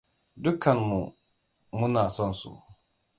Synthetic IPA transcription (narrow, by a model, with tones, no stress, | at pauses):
dʊ˦kʰɐ˨nmu˨ | mʊ˦naː˨sɔ˦nsṵ˨